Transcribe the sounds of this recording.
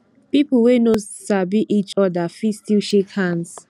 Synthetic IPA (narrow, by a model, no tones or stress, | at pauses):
pipəwenosabiʔit͡ʃɔdafistiʃekhãns